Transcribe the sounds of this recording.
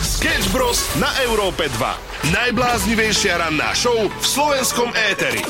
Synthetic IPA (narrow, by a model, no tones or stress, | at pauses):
skɛd͡ʒbɾɔsnaʔɛʊɾɔːpɛd̪ʋa̰ | najblaːzɲiʋɛjʃɪaɾanːa̰ːʃɔʊfslɔʋɛnskɔmɛːt̪ɛɾḭ